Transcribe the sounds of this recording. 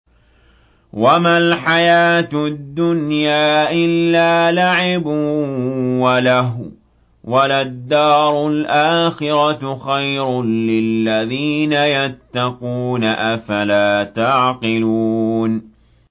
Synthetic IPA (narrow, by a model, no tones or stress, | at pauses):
wamalħajaːt̪d̪ːʊnjaːʔɪlːaːlaʕɪb | walaɦ | walad̪ːɑːɾˤʊlʔaːxɪɾɑt̪xajɾʊnlɪlːaðiːnajat̪ːɑquːnaʔafalaːt̪aʕqɪluːn